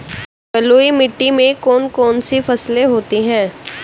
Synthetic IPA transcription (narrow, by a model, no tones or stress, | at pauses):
pɐloːimɪʈːimẽkɔːnkɔːnsifɐsleɦoːt̪iɦɛ̃ː